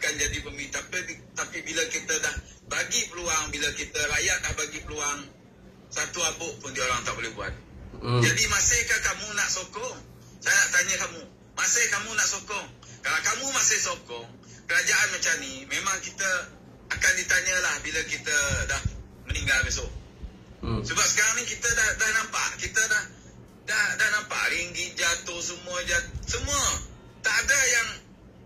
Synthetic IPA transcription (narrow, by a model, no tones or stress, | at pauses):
akand͡ʒadibəmit̪apit̪apibiləkit̪ədah | baɡipəluaŋbiləkit̪əlajaʔ̚dahbaɡipəluaŋ | sat̪uabʊʔpʊndioɾaŋt̪aʔbolɪhbua̰t̪̚d͡ʒadimasɪhkəkamunaʔsokɔŋ | sajənaʔt̪aɲəkamu | masɪhkamunaʔsokɔŋ | kalakamũmasɪhsokɔŋ | kəɾad͡ʒaʔanmat͡ʃamnimemaŋkit̪ə | akandit̪aɲəlahbiləkit̪ədah | məniŋɡalbeso | səbap̚sə̥kaɾaŋnikit̪ədahdahnampa̰ʔkit̪ədah | dahdahnampa̰ʔɾiŋɡit̪̚d͡ʒat̪ohsəmuəd͡ʒat̪̚səmuə | t̪aʔːdəjaŋ